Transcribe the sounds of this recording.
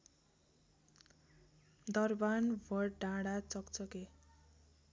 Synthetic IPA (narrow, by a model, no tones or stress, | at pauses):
d̪ʌrbanbʱʌɖãɽat͡sʌkt͡sʌke